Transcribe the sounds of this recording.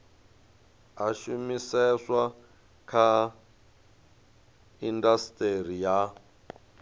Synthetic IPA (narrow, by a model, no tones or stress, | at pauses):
aʃumisɛswa | kʰa | indastʼeɾija